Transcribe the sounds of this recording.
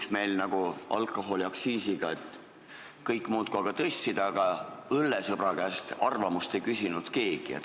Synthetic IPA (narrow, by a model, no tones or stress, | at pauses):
ksme̞jlnɑɡ̥uɑ̰lkːˑo̞ɦo̞liɑksiːsiɡ̥ɑet̪ | kɤjkːˑmuːt̪̚kuɑɡ̥ɑt̪ɤsʲsid̪ɑɡ̥ɑølːesɤb̥ɾɑkæːst̪ɑrvɑmust̪e̞jkysʲinud̪̥ke̞ːɡ̥iḛt̪